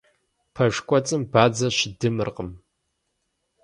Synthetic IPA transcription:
pʰɐʒʷᶣkʷʰʼat͡sʼɨmbaːd͡zɐʃdɨmɨrqʼəm

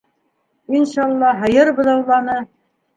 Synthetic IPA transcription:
inʃɑɑlˠːɑɦɤ̆jɤɾbɤ̆ðɑwlˠɑnɤ

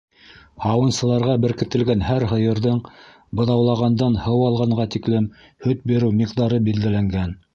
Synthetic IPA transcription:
hɑwɤ̆nsɤ̆lˠɑɾʁɑbɘ̆ɾkɘ̆t̪ɘ̆lɡænhæɾɦɤ̆jɤ̆ɾðɤɴ | bɤ̆ðɑwlˠɑʁɑnd̪ɑnhɤwɑlˠʁɑɴɢɑt̪iklɘm | hɵt̪̚biɾɘwmiqd̪ɑɾɤbild̪ælæŋɡæn

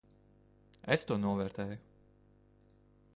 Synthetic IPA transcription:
est̪uɔnuɔvɛːɾt̪ɛːjʊ

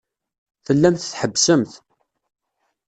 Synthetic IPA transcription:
θəlːæmθθħəbːsəmθ

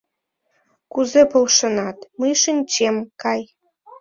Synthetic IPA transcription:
kuzepolʃə̆nɑt̪məjʃinʲt͡ɕemkɑj

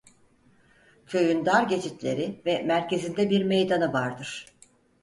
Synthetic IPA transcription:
cʰø̞jynd̪aɾɟe̞t͡ʃʰit̪lʲe̞̰ɾivɛmæɾce̞zind̪ɛbiɾme̞jd̪anɯvaɾd̪ɯɾ̥

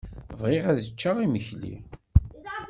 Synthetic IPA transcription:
vʁiʁæðət͡ʃːaʁiməçlḭ

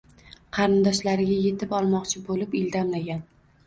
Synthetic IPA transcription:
qʰɑɾɪnd̪ɒʃlaɾɪɡʲaje̞t̪ʰɪpɒlˠmɒqt͡ʃʰɪbolɪpɪld̪amlaɡʲan

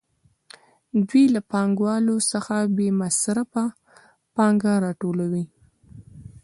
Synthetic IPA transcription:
d̪wilapɑŋɡwɑlosəxabemasɾafa | pɑŋɡaɾɑʈolawi

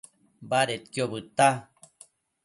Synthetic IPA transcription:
baɾet̪kjoβɨt̪a

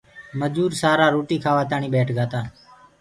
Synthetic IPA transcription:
məd͡ʒuːɾsaːɾaːɾoːʈiːkʰaːʋaːt̪aːɳiːɓeːʈʰɡaːt̪aː

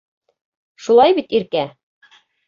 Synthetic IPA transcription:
ʃulˠɑjbit̪iɾkæ

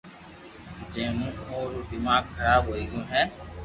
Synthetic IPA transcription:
d͡ʒẽːmũːoːɾuːd̪ɪmaːɡkʰəɾaːbɦoːiːɡɪjõːɦɛ̃ː

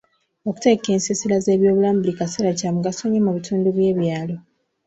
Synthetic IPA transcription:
oku̥te̞ke̞ːnsisilaze̞ːβjo̞ːβulaːmbulikaseɾacaːmuɡasoɲemuβitʰuːnduβje̞ːβjaːlo̞

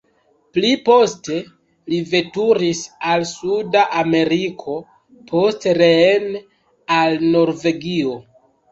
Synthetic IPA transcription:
plipo̞ste̞ | live̞tuɾisalsudaʔame̞ɾikʰo̞ | pʰo̞stɾen | alno̞ɾve̞ɡio̞

